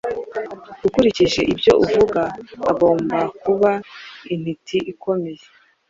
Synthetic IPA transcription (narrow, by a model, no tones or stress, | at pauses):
ɡ̥ukuɾiciʒe̞ʔibjo̞ʔuvuɡaːɡo̞ːmbakuβain̥hitʰiʔiko̞meje